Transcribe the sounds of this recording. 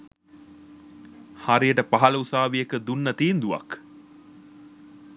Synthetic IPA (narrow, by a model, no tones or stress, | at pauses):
haɾijəʈəpaɦɐləusaːʋiekəd̪unːɐt̪iːnd̪uʋa̰k